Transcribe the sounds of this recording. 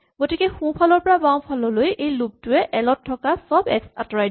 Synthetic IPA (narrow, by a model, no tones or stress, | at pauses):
ɡotikɛxũpʰalɔɹpɔɹabaw̃pʰalɔlojejlub̚tʊɛʔɛlɔt̚ʰːɔkasɔbɛksatɔɹajd